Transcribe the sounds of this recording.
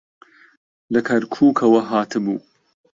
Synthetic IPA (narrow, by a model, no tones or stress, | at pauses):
lɐkʰɐɾkʰuːkʰɐwɐɦaːt̪ʰɨbuː